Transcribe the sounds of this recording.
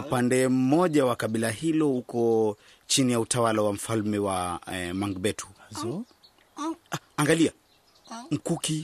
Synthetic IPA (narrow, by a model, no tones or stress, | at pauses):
upandɛm̩mɔʄawakaɓilahilɔhukɔ | t͡ʃinijautawalawam̩falmɛwamaŋɡbɛtʰu̥ | aŋɡalia | m̩kuki